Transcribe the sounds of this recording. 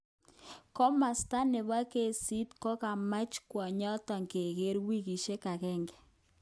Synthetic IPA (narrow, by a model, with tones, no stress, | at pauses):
kɔ˦ma˨sta˦nɪ˨βa˦ke˦˨si˦tkɔ˦ka˨ma˦t͡ʃkwɔ˨ɲa˦ta˨ŋke˨ɣe˦ɾwi˦ɣi˨ʃe˦ka˨kɛ˦ŋɡɛ̥˨